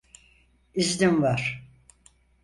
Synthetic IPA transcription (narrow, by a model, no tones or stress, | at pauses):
izlʲimvaɾ̥